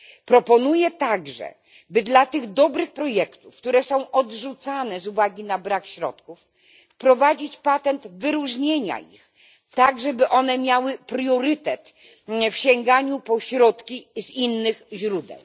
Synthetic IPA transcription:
pɾɔpɔnujɛt̪aɡʐɛ̰ | bɘd̪lat̪ɘɣd̪ɔbɾɘxpɾɔjɛkt̪ufkt̪uɾɛsɔ̃w̃ʔɔd̪ʐut̪sanɛzuvaɡʲinabɾakɕɾɔ̰t̪kuf | pɾɔvad͡ʑit͡ɕpat̪ɛnt̪vɘɾuʐɲeɲa̰ḭx | t̪aɡʐɛbɘʔɔn̪ɛmʲjawɘpɾjɔɾɘt̪ɛt̪ | fɕɛŋɡaɲupɔɕɾɔt̪kʲizinːɘxʑɾud̪ɛ̰w

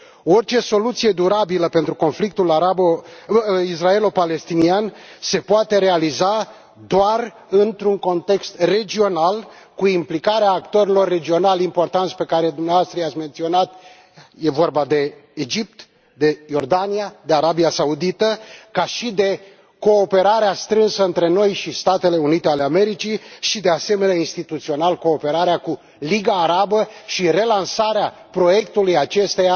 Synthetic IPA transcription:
o̞rt͡ʃe̞so̞lut̪sije̞d̪uɾabiləpe̞nt̪ɾuko̞nflik̚t̪ulaɾabo | is̬rae̞lopale̞st̪inianse̞poat̪e̞ɾe̞aliza | d̪oar | ɨnt̪ɾuŋko̞nt̪e̞kst̪re̞d͡ʒio̞nal | kuimplikaɾeaːkt̪o̞ɾelo̞rːe̞d͡ʒio̞nalimpo̞rt̪ant̪sʲpe̞kaɾe̞d̪umneavoast̪ɾəiat̪sʲme̞nt̪sio̞nat̪ | je̞vo̞rbad̪e̞ːd͡ʒip̚t̪ | d̪e̞jo̞rd̪anijad̪e̞aɾabiasaud̪it̪əkaʃid̪e̞ | ko̞ːpe̞ɾaɾeast̪ɾɨnsəɨnt̪ɾe̞no̞jʃist̪at̪e̞le̞unit̪e̞aleame̞ɾit͡ʃiʃid̪e̞ase̞me̞neainst̪it̪ut̪sio̞nalko̞ːpe̞ɾaɾeaku | liɡaːɾabəʃire̞lansaɾea | pɾo̞je̞kt̪ulujat͡ʃe̞st̪e̞ja

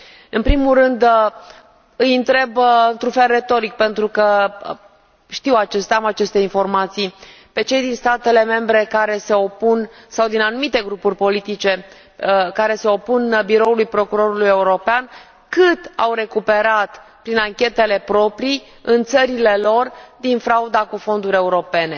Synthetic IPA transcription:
ɨnpɾimulrɨnd̪ | ɨjɨnt̪ɾe̞bɨnt̪ɾunfe̞lre̞t̪o̞ɾik̚pe̞nt̪ɾukə | ʃt̪iwat͡ʃe̞st̪eamat͡ʃe̞st̪e̞info̞rmat̪sij | pe̞t͡ʃe̞jd̪inst̪at̪e̞le̞me̞mbɾe̞kaɾe̞se̞o̞punsawd̪inanumit̪e̞ɡɾupurʲpo̞lit̪it͡ʃe̞ | kaɾe̞se̞o̞punbiɾo̞ulujpɾo̞kuɾo̞ɾuluje̞uɾo̞pean | kɨt̪a̰wɾe̞kupe̞ɾat̪pɾinaŋkʲe̞t̪e̞le̞pɾo̞pɾi | ɨnt̪səɾile̞lo̞rd̪infɾaud̪akufo̞nd̪uɾʲe̞uɾo̞pe̞ne̞

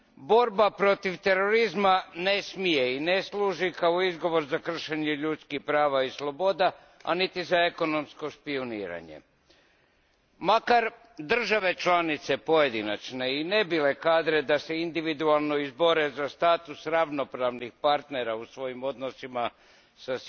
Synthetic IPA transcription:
bo̞ɾbapɾo̞t̪iʋt̪e̞ɾo̞ɾizmane̞smije̞ineslˠuːʒikaoizɡo̞ʋo̞ɾzakr̩ʃeɲeʎut̪skixpɾaːʋaislˠo̞bo̞d̪a | a̰nit̪izaeko̞no̞msko̞spioniːɾa̰ɲe̞̰ | makaɾ | d̪r̩ʒaʋe̞t͡ʃlˠanit̪se̞po̞je̞d̪ina̰t͡ʃne̞ine̞bile̞kaːd̪ɾe̞d̪ase̞ind̪iʋid̪ualˠno̞izbo̞ɾe̞zast̪aːt̪usɾaʋno̞pɾaʋnixpaɾt̪ne̞ɾausʋo̞jimo̞d̪nosima | sas

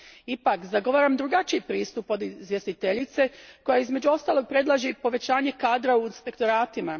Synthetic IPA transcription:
ipakzaɡo̞ʋaːɾamd̪ɾuɡat͡ʃiipɾiːst̪upo̞d̪izʋje̞st̪it̪eʎit̪se̞ko̞jaizme̞d͡ʑuo̞st̪aːlˠo̞ɡ̚pɾe̞d̪lˠaʒipo̞ʋe̞t͡ɕaːɲe̞kaːd̪ɾauinspe̞kt̪o̞ɾaːt̪ima

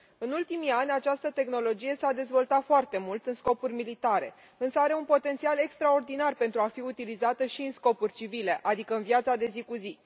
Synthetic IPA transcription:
ɨnult̪imianʲat͡ʃast̪ət̪e̞xno̞lo̞d͡ʒije̞sad̪e̞zvo̞lt̪at̪foart̪e̞mult̪ɨnsko̞purʲmilit̪aɾe̞̰ | ɨnsəaɾe̞unpo̞t̪e̞nt̪siale̞kst̪ɾao̞rd̪inarpe̞nt̪ɾuafiut̪ilizat̪əʃiɨnsko̞purʲt͡ʃivile̞ʔad̪ikəɨnvjat̪sad̪e̞zikuzi

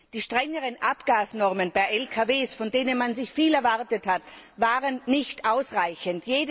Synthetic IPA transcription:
d̥iːʃtʁ̥ɛŋəʁənʔapɡ̥aːsnɔʁmənb̥aɪʔɛlkʰaveːsfɔndeːnənmanzɪçfiːlɛɐvaʁtəthatvaːʁənːɪçtʔaʊsʁaɪçəntjeːd

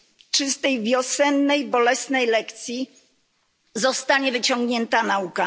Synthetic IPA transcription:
t͡ʂɘst̪ɛjvʲjɔsɛnːɛjbɔlɛsnɛjlɛkt̪sʲji | zɔst̪aɲɛvɘt͡ɕɔ̃ŋɡɲɛnt̪anauka

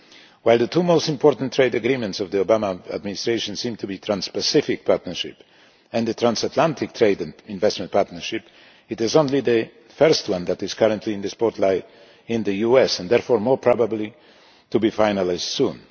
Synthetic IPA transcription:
waɪlˠd̪ətʰumoʊstɪ̃mpʰɔɹtn̩tʰːɹeɪdɨɡɾĩmɨ̃ntsɔvðiobamaə̰dmɪnɪstɹeɪʃə̃nsĩmtʰubit̪ʰɹãnspəsɪfɪk̚pʰaɹtnə˞ʃɪ̰p | ɛ̃nðɨtɹãnsatʰlãntʰɪk̚tʰɹeɪdɪ̃nvɛstmə̃nt̚pʰaɹtnə˞ʃɪp | ɨtɪzõnliðɨ | fɜɹst̚wʌ̃nðætɪz̥kʰʌɹə̃ntʰliɨ̃nðɨspɔɹtʰlaɪ | ɪ̃nðɨjuɛsɛ̃nd̪ɛɹfɔɹmɔɹpʰɹ̥ɑbəbli | tubifaɪnəlaɪzd̥sũn

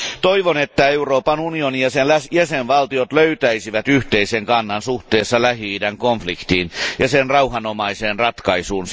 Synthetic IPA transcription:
t̪oiʋonet̪ːæeuroːpɑnunionijɑsenæsjæsenʋɑlt̪iot̪løyt̪æisiʋæt̪yht̪eiseŋkɑnːɑnsuht̪eːsːɑlæhiːdæŋkoɱflikt̪iːnjɑsenrɑuhɑnomɑiseːnrɑt̪kɑisuːns

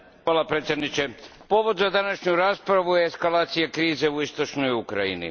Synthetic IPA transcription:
xʋaːlˠapɾet̪ʲje̞d̪nit͡ʃepo̞ʋo̞d̪zad̪anaʃɲuɾaːspɾaʋujeːskalaːt̪sijakɾiːze̞uist̪o̞t͡ʃnojukɾa̰jḭnḭ

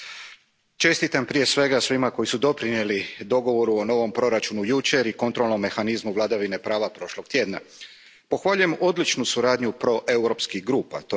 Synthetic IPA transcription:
t͡ʃe̞st̪it̪ampɾije̞sʋe̞ɡasʋimako̞jisud̪o̞pɾinje̞lid̪o̞ɡo̞ʋo̞ɾuo̞no̞ʋo̞mpɾo̞ɾat͡ʃunujut͡ʃe̞ɾiko̞nt̪ɾo̞lˠno̞mːe̞xanizmuʋlˠad̪aʋine̞pɾaːʋapɾo̞ʃloɡ̚t̪je̞ːd̪na̰ | po̞xʋaʎuje̞mo̞d̪lit͡ʃnusuɾaːd̪ɲupɾo̞ʔe̞wɾo̞ːpskixɡɾuːpa̰t̪o

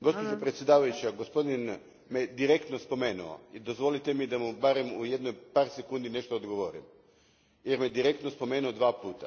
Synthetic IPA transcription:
ɡo̞spod͡ʒopɾet̪sʲjed̪aːʋajut͡ɕaɡo̞spo̞d̪in | me̞d̪iɾekt̪no̞spo̞me̞ːnṵo̰id̪ozʋo̞lit̪emid̪amubaɾe̞muje̞d̪no̞jpaːɾse̞kuːnd̪ineʃt̪oːd̪ɡoʋoɾḭm | jeɾmed̪iɾe̞kt̪no̞spo̞me̞ːnuod̪ʋaːpuːt̪a

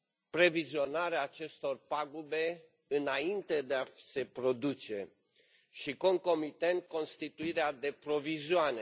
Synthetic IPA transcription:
pɾe̞vizio̞naɾeaːt͡ʃe̞st̪o̞rpaɡube̞ | ɨnaint̪e̞d̪ease̞pɾo̞d̪ut͡ʃe̞ | ʃiko̞ŋko̞mit̪end̪̚ko̞nst̪it̪uiɾead̪e̞pɾo̞vizoane̞

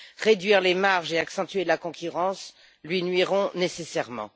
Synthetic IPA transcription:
ʁed̪ɥiʁlemaʁʒeaksɑ̃t̪ɥelakɔ̃kʲyʁɑ̃s | lɥinɥiʁɔ̃nesesɛʁmɑ̰̃

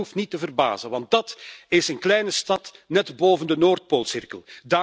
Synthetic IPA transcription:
uftnitəvərba̰ːzənʋɑnt̚dɑtɪsənklɛjnəstɑtnɛtboːvəndənoːrt̚poːlˠsɪrkəlˠdaː

